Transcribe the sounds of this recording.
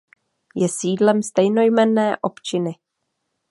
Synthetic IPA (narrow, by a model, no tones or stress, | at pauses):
jɛsiːdlɛmst̪ɛjno̞jmɛnɛːʔo̞pt͡ʃɪnɪ